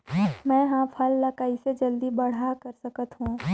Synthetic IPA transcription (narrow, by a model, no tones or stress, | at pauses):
mɛ̃ːɦãpʰɐlːɐkaːised͡ʒɐld̪ibɐɽ̤akɐɾsɐkət̪ɦũː